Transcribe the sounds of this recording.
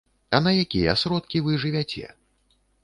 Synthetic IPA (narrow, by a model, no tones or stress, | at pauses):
ɐnɐjakʲijɛ̰sɾɔt̪̚kʲivɨʐɨvʲat͡sʲɛ̰